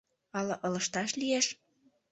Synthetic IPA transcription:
ɑlɤ̆ʔɤ̆lə̆ʃt̪ɑʃlijeʃ

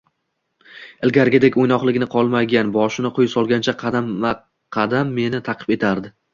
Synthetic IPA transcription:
ɪlɡʲaɾɡʲɪd̪ekʲojnɒχlˠɪɡʲnɪqʰɒlˠmaɡʲanbɒʃɪnɪqʰʊjsɒlˠɡʲant͡ʃʰaq̪ʰa | qʰɑd̪amːe̞nɪt̪ʰɑqʰɨ̥pe̞t̪ʰaɾd̪ɪ

